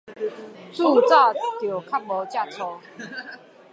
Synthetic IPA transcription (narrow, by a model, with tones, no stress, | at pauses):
t͡su˥˨t͡sa˥˨t̪jo˨˩kʰa˦˥p̚mo˨˦t͡ɕja˥˨t͡sʰɔ˧˦